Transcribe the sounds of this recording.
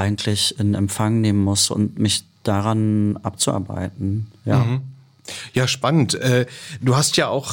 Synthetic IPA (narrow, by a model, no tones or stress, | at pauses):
ʔaɪɡŋ̩tʰlɪçɪnɛmfaŋneːmənmʊsʔʊ̰ntmɪçd̥aʁanʔap̚t͡suʔa̰ɐba̰ɪtn̩jaː | jaːʃpanəntʔɛːd̥uːhastjaːʔaʊx